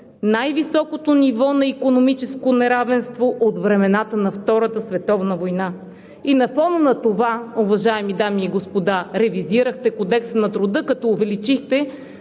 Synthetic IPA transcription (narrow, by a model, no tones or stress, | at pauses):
najvisɔkot̪onivɔnɐikonomit͡ʃɛskonɛɾavɛnst̪voʔot̪vɾɛmɛnat̪ənɐft̪ɔɾət̪əsvɛt̪ɔvnəvojna | inɐfɔnənɐt̪ovaʊvɐʒaɛmid̪amiːɡospod̪aɾɛviziɾəxt̪ɛkod̪ɛksnɐt̪ɾʊd̪ɤkɐt̪ɔʊvɛlit͡ʃixt̪ɛ